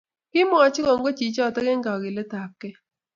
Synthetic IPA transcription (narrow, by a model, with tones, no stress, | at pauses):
kɪ˦mɔ˦a˨t͡ʃɪ˦kɔ˨ŋɡo˦t͡ʃi˨t͡ʃɔ˦˨tɛ˦kɛ˦ŋɡa˨ɡɪ˨lɛ˦ta˨p̚kːɛ˦